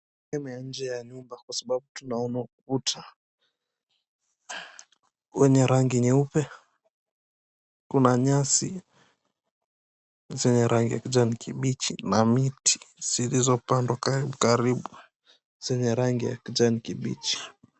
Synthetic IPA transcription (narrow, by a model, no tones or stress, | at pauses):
ɛmɛjan̩d͡ʒɛjaɲumbakwasaɓaɓutunaɔnakuputʰa | wɛɲɛɾaŋɡiniupɛ | kunaɲasi | zɛɲɛɾʔaŋɡija̰kud͡ʒanikiɓit͡ʃinamiti̥z̥ilizɔpandwakaɾiɓukaɾiɓu | z̥ɛɲɛɾaŋɡija̰kid͡ʒanikiɓḭt͡ʃi̥